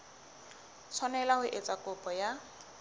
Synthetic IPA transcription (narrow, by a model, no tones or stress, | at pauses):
t͡sʰɔnɛlaɦʊʔet͡sakʊpʼɔja